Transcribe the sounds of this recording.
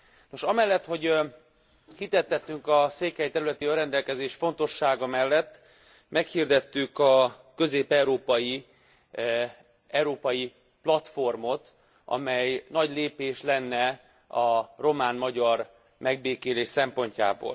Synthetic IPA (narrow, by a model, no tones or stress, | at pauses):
no̞ʃɒmɛlːɛt̪ho̞ɟ | hit̪ɛt̪ːɛt̪ːyŋkɒseːkhɛjt̪ɛɾylɛt̪iørɛnd̪ɛlkɛzeːʃfo̞n̪t̪o̞ʃːaːɡɒmɛlːɛt̪ː | mɛkhird̪ɛt̪ːykɒkø̞zeːpɛuɾoːpɒji | ɛwɾoːpɒji | plɒt̪fo̞rmo̞t̪ | ʔɒ̰mɛjnɒɟleːpeːʃlɛnːɛ | ɒro̞maːnmɒɟɒr | mɛɡ̚beːkeːleːʃsɛmpo̞ɲca̰ːbo̰ːl